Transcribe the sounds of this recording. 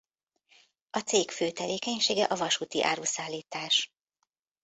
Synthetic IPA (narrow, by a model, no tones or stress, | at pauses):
ɒt̪seːkføːt̪ɛveːkɛɲʃeːɡɛʔɒvɒʃuːt̪iʔa̰ːɾuːsaːlːiːt̪aːʃ